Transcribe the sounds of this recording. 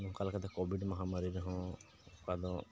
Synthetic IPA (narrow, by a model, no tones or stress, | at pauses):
nũkalkad̪ɔkɔbiɖmaɦamaɾiɾɛɦɔ̃ | kad̪ɔ